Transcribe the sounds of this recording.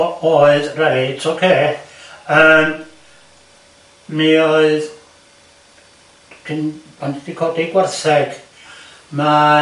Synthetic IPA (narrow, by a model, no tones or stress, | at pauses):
oːɨðrɛɾjtʰokʰeː | əːm | mioɨð | kʰɪnbandidikʰɔdiɡwɛrθɛɡ̥ | ma